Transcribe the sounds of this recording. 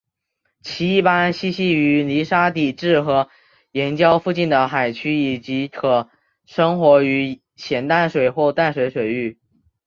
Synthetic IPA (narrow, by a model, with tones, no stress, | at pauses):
t͡ɕʰi˧˥i˥˩pa˥nɕi˥ɕi˥y˧˥li˧˥ʂa˥t̪i˥˩ʈ͡ʂɻ̩˥˩xɤ˧˥ | jɛ˧˥nt͡ɕjɑ˥ʊfu˥˧t͡ɕi˥˩nd̪ə˩xa˨˩ɪt͡ɕʰy˥i˨˩t͡ɕi˧˥kʰɤ˨˩ | ʂɤ˥ŋxwɔ˧˥y˧˥ | ɕjɛ˨˩nt̪a˥˩nʂwe˨˩ɪxwɔ˥˧t̪a˥˩nʂwe˧˥ɪʂwe˨˩ɪy˥˩